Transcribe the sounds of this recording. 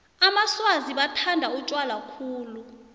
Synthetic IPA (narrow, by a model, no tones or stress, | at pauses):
amaswaziɓatʰandʱaut͡ʃʼwalakʰuːlu